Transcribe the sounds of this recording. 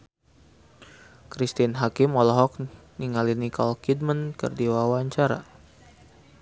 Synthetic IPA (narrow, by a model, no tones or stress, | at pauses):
kɾist̪inɦakimɔlɔɦɔk̚niŋalinikɔlkid̚mənkɨ̰rdiwawaɲt͡ʃaɾa̰